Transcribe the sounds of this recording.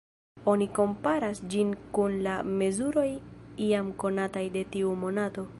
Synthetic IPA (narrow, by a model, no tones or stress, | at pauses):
o̞niko̞mpaɾasd͡ʒinkunlame̞zuɾo̞jiamko̞natajde̞tiumo̞nato̞